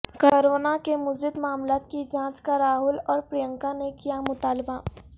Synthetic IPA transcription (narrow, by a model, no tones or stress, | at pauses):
koɾoːnakemʊd͡ʒɪd̪maːmlaːt̪kid͡ʒãːt͡ʃkaɾaːɦʊlɔːɾpɾijə̃ŋkanekijamʊt̪aːlba